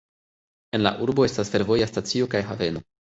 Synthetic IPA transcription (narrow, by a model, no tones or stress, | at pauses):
e̞nla̰ʔuɾbo̞e̞stasfe̞ɾvo̞jastat͡sio̞kajɦave̞no̞